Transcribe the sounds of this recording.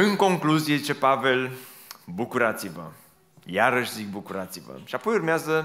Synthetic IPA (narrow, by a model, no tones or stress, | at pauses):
ɨŋko̞ŋkluzije̞t͡ʃe̞pave̞l | bukuɾat̪sivə̰ | jaɾəʃzik̚bukuɾat̪sivə̰ʃiapojurmeazə